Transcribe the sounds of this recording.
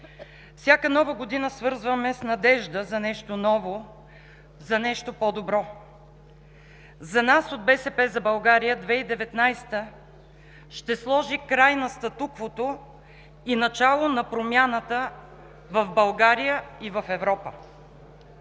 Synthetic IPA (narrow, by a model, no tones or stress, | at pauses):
fsʲjakənɔvəɡod̪inəsvɤɾzvəmɛsnɐd̪ɛʒd̪əzɐnɛʃt̪onɔvo | zɐnɛʃt̪opɔd̪obɾɔ | zɐnasod̪̚bɛsɛpɛzɐbɐlˠɡaɾijəd̪vɛid̪ɛvɛt̪najst̪ə | ʃt̪ɛslˠɔʒikɾajnɐst̪ɐt̪ukvot̪o | inɐt͡ʃalˠonɐpɾomʲjanət̪ə | vɐvbɐlˠɡaɾijəivɐfɛvɾɔpə